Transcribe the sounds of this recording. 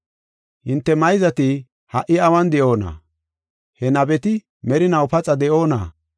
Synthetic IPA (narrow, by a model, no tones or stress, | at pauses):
hɪnt̪ːɛmɐjzɐt̪ɪ | hɐʔɪɐwɐnd̪ɛʔo̞ːna̰ | hɛnɐbɛt̪ɪ | mɛɾɪnɐwpɐt͡sʼɐd̪ɛʔoːna̰ː